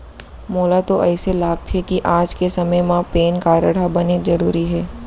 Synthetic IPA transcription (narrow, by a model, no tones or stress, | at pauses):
moːlat̪oʔɛːselaːɡ̚t̪ʰekiʔaːd͡ʒkesɐməjmãpeːnkaːɾəɽabɐnezɐɾuːɾiɦɛː